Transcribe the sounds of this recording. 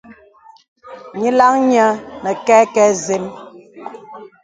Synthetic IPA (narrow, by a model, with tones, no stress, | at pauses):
ɲi˦la˦ŋɲa˦nɛ˨kɛ˦kɛ˦ze˦m